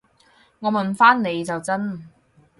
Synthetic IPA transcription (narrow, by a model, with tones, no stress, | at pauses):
ŋɔː˨˧mɐ˨˩nfaː˥nne˨˧jt͡sɐ˨wt͡sɐ˥n